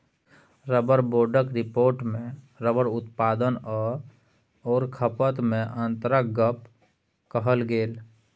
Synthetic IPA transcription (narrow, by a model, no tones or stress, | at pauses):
ɾəbəɾboːɖəkɾɪpoːɾʈmẽ | ɾəbəɾʊt̪paːd̪ən | ɔːɾkʰəpət̪mẽʔə̃nt̪ɾəkɡəp̚ | kəɦəlɡeːl